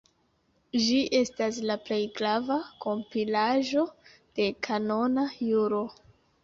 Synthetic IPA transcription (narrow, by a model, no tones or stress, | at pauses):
d͡ʒiʔe̞staslaple̞jɡɾavako̞mpilaʒo̞ | d̥e̞kʰano̞najuɾo̞